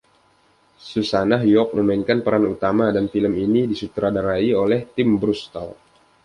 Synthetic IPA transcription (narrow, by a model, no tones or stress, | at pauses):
susanaɦjɔk̚məmainkanpəɾanut̪amadanfiləminidisut̪ɾadaɾaiolɛht̪ɪmbɾust̪a̰l